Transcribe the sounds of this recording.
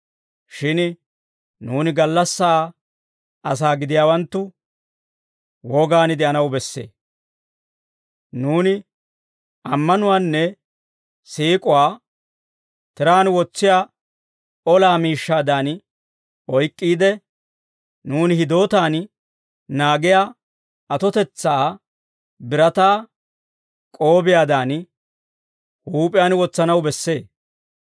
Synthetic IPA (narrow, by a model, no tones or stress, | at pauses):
ʃɪn | nuːnɪɡɐlːɐsːaː | ɐs̬aːɡɪd̪ɪjaːwɐnt̪ːʊ | wɔːɡaːnɪd̪ɛʔɐnɐwbɛsːḛː | nuːnɪ | ɐmːɐnʊwaːnːɛ | siːkʼʊwaː | t̪ɪɾaːnwɔt͡sːɪjaː | ɔlaːmiːʃːaːd̪aːn | ʔɔjkʼːiːd̪ɛ | nuːnɪhɪd̪o̞ːt̪aːn | naːɡɪjaː | ɐt̪ɔt̪ɛt͡sːaː | bɪɾɐt̪aː | kʼo̞ːbɪjaːd̪aːn | huːpʼɪjaːnwɔt͡sːɐnɐwbɛsːe̞ː